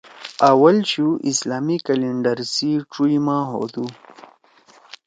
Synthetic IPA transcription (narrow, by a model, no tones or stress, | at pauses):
awalɕuʔislaːmikaleɳɖəɾsiʈ͡ʂujmãɦo̰d̪u